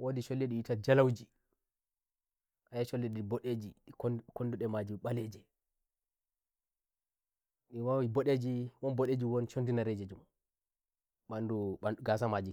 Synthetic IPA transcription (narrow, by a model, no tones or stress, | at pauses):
wʔodiʃolːeɗijitad͡ʒalawd͡ʒi | ʔajaʃolːiɗiboɗed͡ʒikonduɗɛmad͡ʒiɓalɛd͡ʒɛ | ɗiwawiboɗed͡ʒiwɔnboɗed͡ʒiwɔnt͡ʃondinaɾed͡ʒed͡ʒum | ɓanduaɡasamad͡ʒi